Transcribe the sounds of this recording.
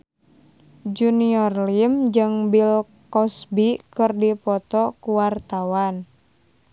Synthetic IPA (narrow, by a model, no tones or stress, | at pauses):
d͡ʒuniɔrlimd͡ʒɨŋbil | kɔsbikɨrdipɔt̪ɔkuwart̪awan